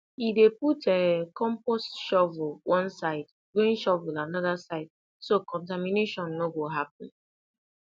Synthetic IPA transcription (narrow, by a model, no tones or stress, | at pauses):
ideputɛkɔ̃mpɔstʃɔvʊlwɔ̃nsaɪd | ɡɾẽnʃɔvʊlanɔðasaɪd̚ | sokɔ̃nt̬amineʃɔ̃nːoɡoɦap̚ɔ̃n̩